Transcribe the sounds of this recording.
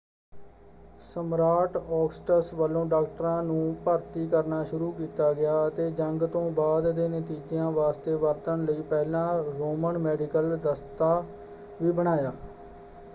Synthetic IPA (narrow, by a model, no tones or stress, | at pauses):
səmɾaːʈɔːksʈəsʋəlõːɖaːk̚ʈəɾãːnũːpəɾt̪iːkəɾnaːʃʊɾuːkiːt̪aːɡɪjaːət̪eːd͡ʒəŋɡt̪õːbaːd̪d̪eːnɪt̪iːd͡ʒɪjãːʋaːst̪eːʋəɾt̪əɳləiːpɛːlãːɾoːməɳmɛːɖɪkəld̪əst̪aː | ʋiːbəɽ̃aːjaː